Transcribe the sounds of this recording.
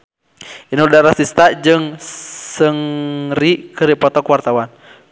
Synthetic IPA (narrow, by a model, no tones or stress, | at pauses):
inurdaɾasist̪ad͡ʒɨŋsəŋrikəɾipɔt̪ɔkuwart̪awan